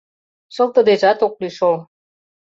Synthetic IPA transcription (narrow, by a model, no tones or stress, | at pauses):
ʃɤ̆lˠt̪ə̆d̪eʒɑt̪ok̚lyʃol